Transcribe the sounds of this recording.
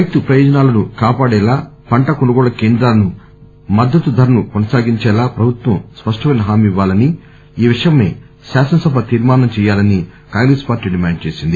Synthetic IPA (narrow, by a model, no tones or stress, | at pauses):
ɐj̚t̪upɾɐjoːd͡ʒɐnaːlɐnukaːpaːɽɛːlaːpɐɳʈɐkonuɡɔːɭɐkeːnd̪ɾaːlɐnu | mɐd̪ːɐt̪ud̪ʱɐɾɐnukonɐsaːɡiɲt͡ʃɛːlaːpɾɐbʱut̪ʋɐmspɐʂʈɐʋɐjnɐɦaːmiʋːaːlɐni | iːʋiʂɐjɐme̞̰ː | saːsɐnɐsɐbʱɐt̪iːɾmaːnɐmt͡ʃɛːjaːlɐni | kaːŋɡɾeːspaːɾʈːiːɖimaːɳɖ̚t͡ʃe̞ːsind̪i